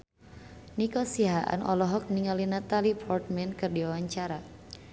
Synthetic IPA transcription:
nikɔsiɦaʔa̰nɔ̰lɔɦɔk̚niŋalinat̪alipʰɔrt̪̚mɛnkɨrdiwawaɲt͡ʃaɾa

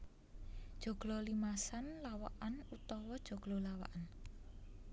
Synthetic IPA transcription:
d̥ʒ̥o̤ɡ̥lɔ̤limasanlawa̰ʔanut̪ɔwɔd̥ʒ̥o̤ɡ̥lolawa̰ʔan

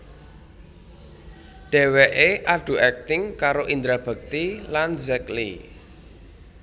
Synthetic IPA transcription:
ɖ̥ɛ̤wɛʔeʔaɖ̥ṳʔɛk̚t̪ɪŋkaɾoʔind̪ɾab̥ə̤k̚t̪ilanzɛklḭ

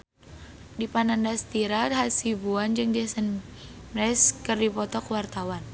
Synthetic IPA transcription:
dipanandast̪iɾaɦasibuand͡ʒɨŋd͡ʒɛsən | mrɛskɨrdipɔt̪ɔkwart̪awan

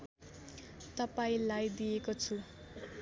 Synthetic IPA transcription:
t̪ʌpaĩlajd̪iekot͡sʰu

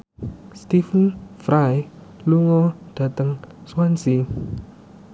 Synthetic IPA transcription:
st̪ifənfɾaj | luŋɔɖ̥a̤t̪əŋswansi

